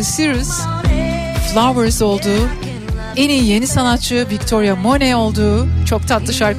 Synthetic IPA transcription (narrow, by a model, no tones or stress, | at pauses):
siɾuz | flˠavɛɾzo̞lˠd̪uː | eniːje̞nisanat̪̚t͡ʃɯvict̪ʰo̞ɾjamo̞nɛo̞lˠd̪uːt͡ʃʰo̞k̚t̪ʰat̪lˠɯʃaɾk